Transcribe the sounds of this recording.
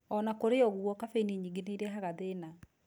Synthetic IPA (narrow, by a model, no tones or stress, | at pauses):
ɔnakoɾeɔɣuɔkafeniɲiɡeneiɾɛɦaɣaðena